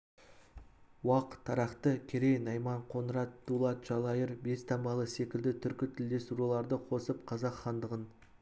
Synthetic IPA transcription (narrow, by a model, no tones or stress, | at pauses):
wɑqət̪ʰːɑɾɑqt̪əkʲʰe̞ɾejnɑjmɑɴqʰo̞nəɾɑt̪dulˠɑt̪ʒ̥ɑlˠɑjəɾbe̞st̪ʰɑmbɑlˠəse̞kʲɪld̪ɪt̪ʰʏɾkʲɪt̪ʰɪld̪e̞st̪ɾulˠɑɾd̪əqʰo̞səp̚qʰɑzɑqχɑnd̪əʁən